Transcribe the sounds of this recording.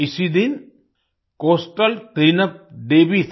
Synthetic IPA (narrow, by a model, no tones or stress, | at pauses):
isid̪in | koːsʈəlt̪ɾinɐp̚ɖeːbis